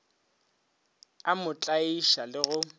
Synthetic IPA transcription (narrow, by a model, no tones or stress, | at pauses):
amʊt͡ɬʼaiʃalɪɣʊ